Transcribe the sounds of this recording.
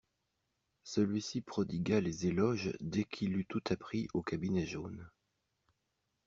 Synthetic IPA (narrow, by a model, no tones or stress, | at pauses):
səlɥisipχɔd̪iɡalezelɔʒd̪ɛkʰilyt̪ut̪apχiʔokabinɛʒon